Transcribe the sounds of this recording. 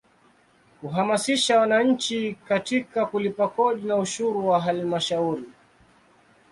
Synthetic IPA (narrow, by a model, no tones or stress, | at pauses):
kuɦamasiʃawanaɲ̩t͡ʃikatikakulipakɔɗinauʃuɾuwaɦalmaʃauɾi